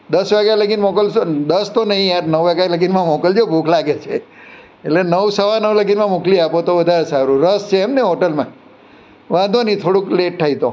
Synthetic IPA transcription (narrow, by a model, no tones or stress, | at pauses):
d̪əsʋaɡjaləɡinmɔkəld̪əst̪onəɦĩãnəʋʋaɡjaləɡinmãmɔkəld͡ʒobʱukʰlaɡet͡ʃʰe | elenəʋsəʋanəʋləɡinmãmukliapot̪oʋəd̪ʱaɾesaɾũɾəst͡ʃʰeːmneɦɔʈəlmã̰ | ʋãd̪ʱonĩt̪ʰoɽukleʈ̚ʈʰait̪o